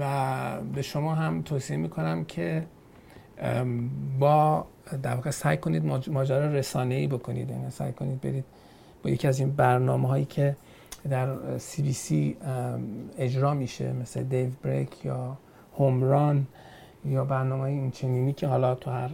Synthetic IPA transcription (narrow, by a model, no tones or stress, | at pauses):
væbe̞ʃo̞mɒːɦæmt̪ʰoːsiemiːkʰo̞næmcʰe̞ | bɒːd̪æɾvɒːɣesæjkʰo̞niːd̪mmɒːd͡ʒæɾɒːɾe̞sɒːne̞iːbo̞kʰo̞nḭd̪jæ̰ːnisæ̰jkʰoniːd̪̚be̞ɾiːd̪̥̚ | bɒːje̞cʰiæziːnbæɾnɒːmeɦɒːjiːcʰe̞ | d̪æɾsibiːsi | e̞d͡ʒɾɒːmiʃe̞̰meslḛd̪evbɾḛkʰjɒː | homɾɒn | jɒːbæɾnɒːmehːjeiːnt͡ʃʰe̞niːniːcʰe̞ɦɒːlɒt̪ʰuhæɾ